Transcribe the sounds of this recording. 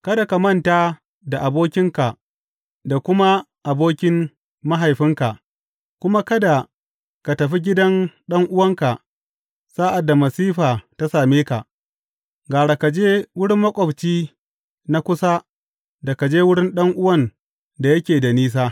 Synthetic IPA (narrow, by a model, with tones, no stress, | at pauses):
kɐ˦da˨ka˨mɐ˦˨ntaː˦ | da˨ʔa˨boː˦kʲɪ˦ŋka˨ʔ | da˨kʷʊ˦ma˦ | ʔa˨boː˦kʲɪ˦m | ma˦ɦa˨jɸɪ˦ŋka˨ | kʷʊ˦ma˦kɐ˦da˨ | ka˨tɐ˨ɸi˦ɡʲɪ˦dɐ˦nɗɐ˦ŋʔʊ˦wɐ˦ŋka˨ | saː˦ʔa˨dːa˨mɐ˨siː˦ɸaː˨ta˦saː˨meː˦ka˨ʔ | ɡaː˨ɽa˨ka˨d͡ʒeː˦wʊ˦ɽɪ˦mːɐ˦kʷʼɔ˨bt͡ʃiː˦ | na˦kʷʊ˦sa˦ | da˨ka˨d͡ʒeː˦wʊ˦ɽɪ˦nɗɐ˦ŋʔʊ˦wɐ˦˨n | da˨jɐ˦kʲeː˨da˨niː˦s̬aː˦